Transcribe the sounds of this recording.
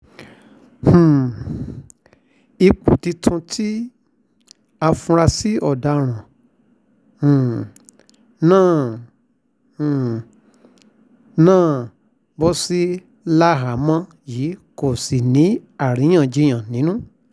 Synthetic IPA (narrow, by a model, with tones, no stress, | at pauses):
hũ˨ | i˧k͡pu˨ti˧tʰũ˧tʰi˦ | a˧fũ˧ɾa˧si˦ɔ˨da˧˨ɾ̃ã˨ | nãː˦˨ | nãː˦˨ | bɔ˦si˦ | la˦ɦa˨˦mã˧ | jiː˨˦ko˨si˨nĩ˨˦a˦˨ɾĩ˨˦j̃ã˦˨d͡ʒi˨˧˦j̃ã˨nĩ˨˦nũ˦